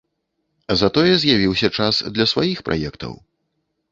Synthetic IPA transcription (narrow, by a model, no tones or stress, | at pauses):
zɐt̪ɔjɛzʲjavʲiwsʲɐt͡ʂasd̪lʲɐsvajixpɾʔa̰jɛkt̪ɐ̰w